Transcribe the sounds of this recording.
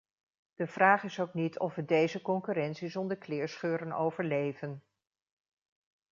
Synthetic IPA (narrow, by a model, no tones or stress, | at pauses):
d̥əv̥raːχɪsowknitʰɔfʋədejzəkɔŋkyɾɛntsizɔndəɹklɪːɹsχøːɾəno̰wvəɹlejvən